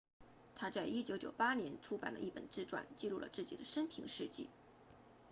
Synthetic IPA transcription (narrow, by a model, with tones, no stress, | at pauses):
t̪ʰa˥t͡sa˥˩ɪʔi˥t͡ɕjo˧˥ʊt͡ɕjo˨˩ʊpa˥njɛ˧˥nʈ͡ʂʰu˥pa̰˨˩nlə̰˦ʔi˥˩pə̰˨˩nt͡sɹ̩˥˧ʈ͡ʂwa̰˥˩nt͡ɕi˥˧lu˥˩lə̰˩t͡sɹ̩˥˩t͡ɕi˨˩d̪ə˦ʂə˥npʰi˧˥ŋʂɻ̩˥˧t͡ɕḭ˥˩